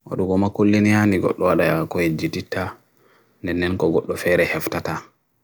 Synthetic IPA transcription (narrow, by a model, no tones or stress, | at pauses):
wa̰ɗuɡɔmakolːinijaniɡɔ̰ɗːɔwaɗajakɔhed͡ʒititʰːa | ndɛnːɛnkɔɡɔɗːɔfɛɾɛhɛftata